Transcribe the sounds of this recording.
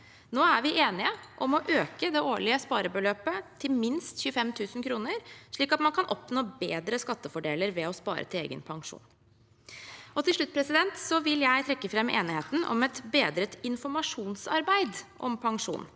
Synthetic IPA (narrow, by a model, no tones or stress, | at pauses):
noːæɾʋɪʔeːnɪəʔɔmɔʔøːkəd̪ɛʔoːɭɪəspɑːɾəbəløːpət̪ʰɪlmɪnst̪çʉːəfɛmt̪ʰʉːsnkʰɾuːnəɾʂɭiːkɑt̪mɑnkʰɑnʔɔpnoːbeːd̪ɾəskɑt̪ːəfɔɖeːləɾʋɛɔspɑ̰ːɾʔə̰t̪ʰɪlḛːɡə̰npʰɑŋʂṵːn | ɔt̪ʰɪlʂɭʉt̪̚ːpʰɾɛsɪd̪ɛnt̪sɔʋɪljæɪt̪ʰɾɛkːəfɾɛmḛːnɪheːt̪n̩ɔ̰mɛt̪beːd̪ɾət̪ɪnfɔɾmɑʂuːnsɑ̰ɾbæɪd̪ʔɔ̰mpʰɑŋʂṵːn